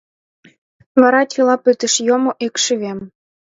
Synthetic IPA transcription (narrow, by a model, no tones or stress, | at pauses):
βɑɾɑtʲilɑpøt̪ə̆ʃjomoʔikʃyβem